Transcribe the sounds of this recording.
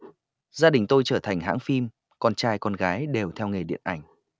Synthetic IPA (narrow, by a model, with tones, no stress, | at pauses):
zaː˧ɗï˨˩ŋ̟t̪o˧jt͡ɕəː˧˩t̪ʰa˨˩jŋ̟ɦa̰ː˧˥ŋfi˧m | kɔ˧nt͡ɕaː˧jkɔ˧nɣaː˨˦jɗe˨˩wt̪ʰɛ˧wŋe˨˩ɗḭ˧˨ənʔa˧˩jŋ̟